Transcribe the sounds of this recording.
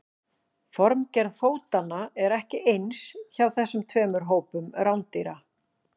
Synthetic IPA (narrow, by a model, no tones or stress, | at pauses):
fɔɾmcɛɾðfoːwt̪anːaɛɾɛhcɪʔejnsçawθɛsːʏmt̪ʰvɛːmʏɾ̥ɦoːwpʏmɾawnt̪iɾa